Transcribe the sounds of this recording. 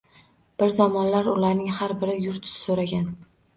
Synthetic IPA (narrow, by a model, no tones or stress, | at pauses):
b̥ɪɾzamɒnlaɾʊlaɾnɪŋhaɾbɪɾɪjʊɾt̪ʰɪ̥sɪ̥soɾaɡʲan